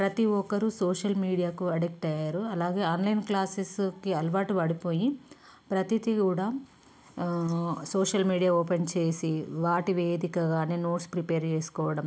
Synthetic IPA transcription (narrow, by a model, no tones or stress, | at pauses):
pɾɐt̪iɔkɐɾusoːʃɐlmiːɽijaːkuɐɽek̚ʈɐjaːɾuɐlaːɡe̞ːaːnlɐjnklaːseskiɐlʋaːʈiʋaːɽipo̞ːji | pɾɐt̪it̪ikuːɽaː | soːʂɐlmiːɽijaːoːpent͡ʃe̞ːsiʋaːʈiʋeːd̪ikɐɡaːne̞ːno̞ːʈspɾipeːɾt͡ʃeːsu̥kɔːʋɐɽɐm